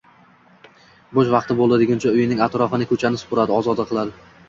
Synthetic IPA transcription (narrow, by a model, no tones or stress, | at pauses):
boʃvɑqt̪ɪbolˠad̪ɪɡʲʊnt͡ʃʰaʊjɪnɪŋʲat̪ɾɒfɪnɪkʰɵt͡ʃʰanɪsʊ̥pʰʊɾad̪ɪɒzɒd̪aqʰɨlˠad̪ɪ